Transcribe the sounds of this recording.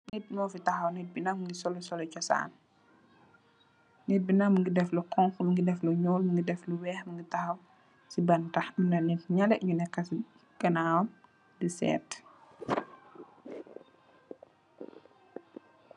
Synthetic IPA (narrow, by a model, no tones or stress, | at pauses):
nit̚mɔːfitɐxɐwnɛt̚binɐmŋɡisɔlɔsɔlɔcɔsa̰ːn | nɛt̚binɐmŋɡidɛflukɔŋxmŋɡidɛfluɲɔːlmiŋɡidɛfluwɛːxmiŋɡitɐxɐw | sibɐntɐxmunɐnitɲɐlɛʔɲunɛkːɐs | ɡɐnaːwɐn | disɛ̰ːt